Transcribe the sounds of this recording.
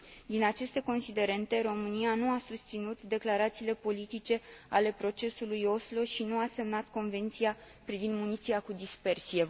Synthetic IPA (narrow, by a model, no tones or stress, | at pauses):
d̪inat͡ʃe̞st̪e̞ko̞nsid̪e̞ɾe̞nt̪e̞ɾo̞mɨnianuasust̪sinut̪d̪e̞klaɾat̪siːle̞po̞lit̪it͡ʃe̞ale̞pɾo̞t͡ʃe̞sulujo̞slo̞ʃinuase̞mnat̪ko̞nve̞nt̪sia | pɾivind̪munit̪siakud̪ispe̞rsije